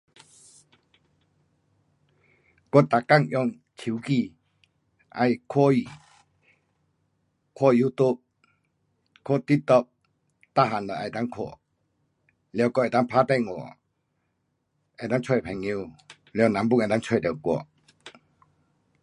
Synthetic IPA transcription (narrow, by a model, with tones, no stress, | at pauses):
kɔ˧˦˨t̪a˨ka˥˨ŋʔjɔ˧˨ŋ | t͡ɕʰi˨˦wki˧˨ | ʔa̰˧˨jkʰɔ˦i˨ | kʰɔ˧˨ju˦t̪u˦p̚ | kʰɔ˦t̪i˦t̪ɔ˧˨p̚ | t̪a˦˧˨ɦa˨nla˨ʔa˧˩˨t̪a˧˦ŋkʰɔ̰˧˨ | ljkɔ˧˨ɛ˨t̪a˦ŋpʰa˦t̪ɛ˥˧˨ŋɔ̰˨ | ʔɛ˧˨t̪a˧˦˥ŋt͡ɕʰwɔ˧˨pʰɛ˨ŋːe˧˨ | lɛ˧˨nã˨˦mbu˥˨ʔɛ˨ta˦˥ŋt͡ɕʰɔ˥˧˨d̪ɛ˨wkɔ̰˧˨ʔ